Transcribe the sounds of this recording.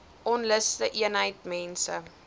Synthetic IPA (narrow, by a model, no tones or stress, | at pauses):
ʔɔnləstəʔiənɦəjtmɛnsə̰